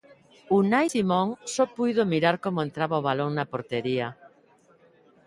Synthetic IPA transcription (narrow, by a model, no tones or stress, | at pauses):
unajsimɔ̃ŋsɔpujðomiɾaɾkomoẽnt̪ɾaβaoβ̞aloŋnapoɾt̪eɾia